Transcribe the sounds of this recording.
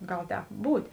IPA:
ˈɡɐlˠ ˈtʲɛːp ˈbuːtʲeː

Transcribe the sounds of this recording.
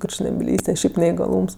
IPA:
kʊrʲt͡ʃʲnʲɛbʲɪˈlʲiːsʲtʲɛ ˈʃʲɛɪp nʲɛɪɡɐˈlˠuːms

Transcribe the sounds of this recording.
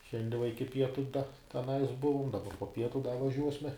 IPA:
ˈʃʲɛnʲdʲiɛ ʋɐ ˈɪkʲɪ ˈpʲiɛtʊ dɐ tʲɛˈnɐɪs ˈbʊʋʊm dɐˈbɐ poː ˈpʲiɛtʊ dɐ ʋɐˈʒʲuɔsʲmʲɛ

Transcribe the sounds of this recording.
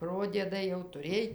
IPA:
ˈproːdʲiɛdɐɪ jɛʊ tʊˈrʲeːj

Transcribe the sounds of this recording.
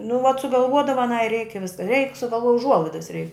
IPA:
nʊ ʋɐt sʊɡɐlˠˈʋuɔdɐʋɐ ɐˈnɐɪ rʲɛɪk ɪ ʋʲɪs rʲɛɪk sʊɡɐlˠˈʋuɔj ʊˈʒuɔlˠɐɪdɐs rʲɛɪk

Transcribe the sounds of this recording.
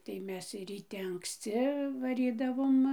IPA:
tɐɪ ˈmʲɛs rʲiːˈtʲɛ ɐŋksʲˈt͡sʲɪ ʋɐˈrʲiːdɐʋoːm

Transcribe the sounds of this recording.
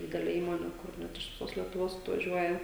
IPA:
ˈdʲɪdʲɛlʲɪ ˈiːmoːnʲɪ kʊr ˈnʲɛt ɪʃ ʋʲɪˈsoːs lʲiɛtʊˈʋoːs ɐtʋɐˈʒʲuɔjɛ

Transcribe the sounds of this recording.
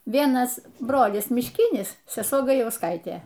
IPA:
ˈʋʲiɛnɐs ˈbroːlʲɪs mʲɪʃʲˈkʲɪnʲɪs sʲɛˈsuɔ ɡɐjɛʊsˈkɐɪtʲeː

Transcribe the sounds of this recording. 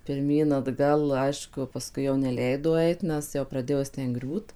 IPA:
pʲɪrʲˈmʲiːn ɐdˈɡɐlˠ ˈɐɪʃkʊ pɐˈskʊɪ jɛʊ nʲɛˈlʲɛɪdoː ˈɐɪt ˈnʲɛs jɛʊ prɐˈdʲeːjoː ˈjɪs ˈtʲɛn ˈɡrʲuːt

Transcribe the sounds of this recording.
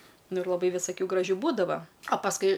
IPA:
ˈnʊ ɪr lˠɐˈbɐɪ ʋʲɪsɐˈkʲuː ɡrɐˈʒʲuː ˈbuːdɐʋɐ ɐ pɐsˈkʊɪ

